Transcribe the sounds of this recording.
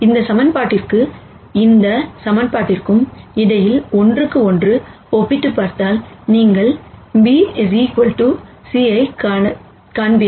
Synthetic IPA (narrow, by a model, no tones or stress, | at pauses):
ɪnd̪ɐsɐmɐnpaːʈːɪrkɯ | ɪnd̪ɐsɐmɐnpaːʈːɪrkɯmɪɽɐjɪlɔndrɯkːɯɔndrɯ | ɔpːɪʈːɯpːaːɾt̪aːlniːŋɡɐɭbiɛʋikɔlʈu | siːɐɪkː | kaːnbɪ